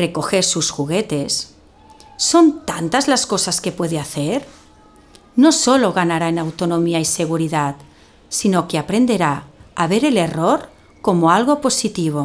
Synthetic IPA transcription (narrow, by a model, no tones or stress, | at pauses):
reko̞xeɾsusxuɣet̪e̞sː | o̞nt̪ant̪azlaskosaskepweðeaθeɾ | nosoloɣanaɾaenawt̪onomiaise̞ɣ̞uɾiðat̪̚ | sinokeapɾe̞nd̪e̞ɾaaβeɾele̞roɾ | ko̞moalɣo̞po̞sit̪iβ̞o̞